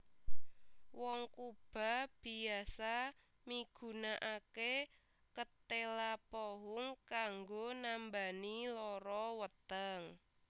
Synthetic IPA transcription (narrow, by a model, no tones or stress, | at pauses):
wɔŋkub̥a̤b̥i̤asa | miɡ̥ṳnaʔake | kət̪elapɔɦʊŋkaŋɡonambanilɔɾɔwət̪əŋ